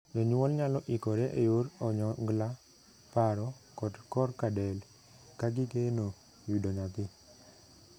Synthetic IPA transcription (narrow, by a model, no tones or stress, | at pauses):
nɔɲwɔlɲalɔʔikɔɾeʔejoɾɔɲɔŋɡla | paɾɔ | kɔdkɔrkadɛl | kaɡɪkeno | widoɲat̪ɪ